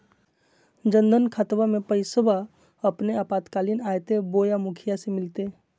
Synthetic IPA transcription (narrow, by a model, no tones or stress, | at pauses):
d͡ʒə̃nd̪ənkʰat̪ʋamẽpəɪsəba | ɐpneapaːt̪kaːlinaːjt̪eboːjamʊkʰijasemɪlt̪e